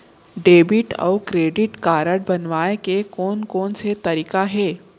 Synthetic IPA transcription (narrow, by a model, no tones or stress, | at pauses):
ɖeːbɪʈɔ̰ːkɾeːɖɪʈkaːɾəɽbɐnʋaːekekɔːnkɔːnset̪ɐɾiːkaɦɛː